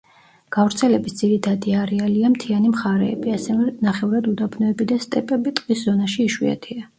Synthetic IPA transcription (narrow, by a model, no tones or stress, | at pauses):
ɡ̥avɾt̪sʰɛlɛbisd̪z̥iɾit̪ʰad̪iaɾɛaliamt̪ʰianimχaɾɛ̰ːbiasɛvɛnaχɛuɾad̪ud̪abnɔɛbid̪ast̪ʼɛpʼɛbit̪ʼqʼiszɔnaʃiːʃwḭa̰t̪ʰia